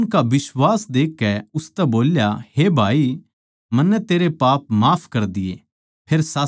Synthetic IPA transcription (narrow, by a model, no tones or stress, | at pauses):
ʊnkabɪswaːsd̪eːkːɛʊst̪ɛboːljaheːbʱaːi | mɐnːɛt̪eːɾepaːp̚maːpʰkɐɾd̪ɪjḛ | pʰeːɾsaː